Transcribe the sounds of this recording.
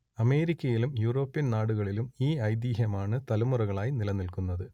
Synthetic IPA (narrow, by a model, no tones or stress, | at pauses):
ɐme̞ːɾikʲːɐjilumjuːro̞ːpːinnaːɽuɣɐɭilumiːɐjd̪iːɦjɐmaːɳɨt̪ɐlɐmurɐɣɐɭaːjinilɐnːilkunːɐðɨ